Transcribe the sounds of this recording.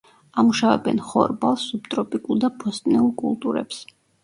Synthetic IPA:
amuʃavɛ̰bɛnχɔ̰ɾbalˠsːupt̪ʼɾɔpʼikʼulˠd̪apʰɔst̪ʼnɛulˠkʼṵlˠt̪ʼuɾɛ̰ps

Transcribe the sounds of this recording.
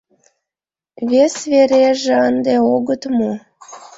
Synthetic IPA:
βesβeɾeʒĕənd̪eoɣət̪mo

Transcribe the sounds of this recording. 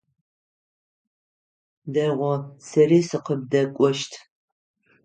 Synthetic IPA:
dɐʁʷɔsɐriːsɨqəb̚dɐkʷʼɔʃtʰ

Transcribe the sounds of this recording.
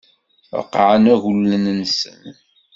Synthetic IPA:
qːʕənæʝulːənnsə̰n

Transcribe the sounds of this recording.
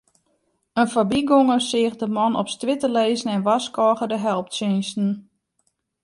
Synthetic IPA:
ənfabiɡoŋəsɪəxdəmɔnɔ̰pstʋɪtəleːzənɛnʋaskɔːɣədəɦɛlˠp̚tsɪnstn̩

